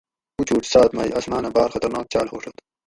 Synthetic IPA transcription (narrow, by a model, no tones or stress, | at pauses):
ut͡ɕuːʈ͡ʂsaːt̪ma̰ːj̰ʔɐsmaːnɐbɑːɾxɐt̪ɐɾnaːk̚t͡ɕaːlɦoːʂot̪